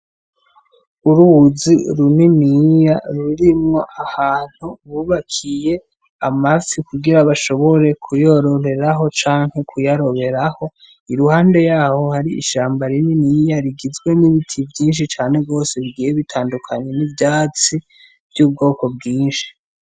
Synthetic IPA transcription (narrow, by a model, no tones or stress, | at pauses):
uɾuβuziɾuninijaɾuɾimŋo̞ʔahaːn̥huβuβakʰije̞ | amafikuɡiɾaβaʃo̞βo̞ɾe̞kʰujo̞ɾo̞ɾe̞ɾaɦo̞t͡ʃaːŋhe̞kʰujaɾo̞βe̞ɾaho̞ | iɾuhaːnde̞jaːho̞haɾiḭʃaːmbaɾininijaɾiɡizɡwe̞niβitʰivjiːnʃ̬it͡ʃaːne̞ɡo̞ːse̞βiɡiːjeβitʰaːndukʰaɲe̞nivjaːt͡si | vjuːb̚ɡo̞ːko̞bɡiːnʃi̥